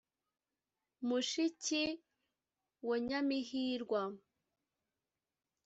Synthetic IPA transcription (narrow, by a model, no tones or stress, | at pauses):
muʃici | woɲamiɦiɾɡwa